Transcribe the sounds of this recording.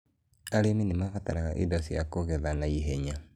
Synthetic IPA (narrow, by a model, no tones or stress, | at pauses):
aɾeminemafataɾaɣaʔḭdɔsijakoɣeðanaiɦeɲa